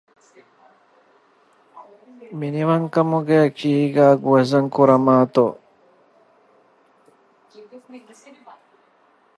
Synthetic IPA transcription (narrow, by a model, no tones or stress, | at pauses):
miniʋɐŋkɐmuɡeɐkiːɡæːɡuɐzɐŋkuɾɐmaːt̪o̰